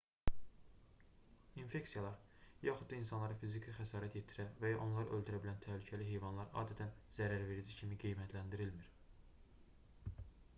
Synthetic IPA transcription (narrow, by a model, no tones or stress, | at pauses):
infe̞ksijɑlˠɑɾ | jɑxud̪̚d̪ɑinsɑnlˠɑɾɑfizikʰixæsɑːɾæt̪ʰjet̪ʰiɾævæjɑʔo̞nlˠɑɾɯʔøld̪yɾæbilænt̪ʰæhlycʰæliɦe̞jvɑnlˠɑɾʔɑ̰ːd̪æt̪ʰænzæɾæɾve̞ɾid͡ʒicʰimiɡijmæt̪ʰlænd̪iɾilmiɾ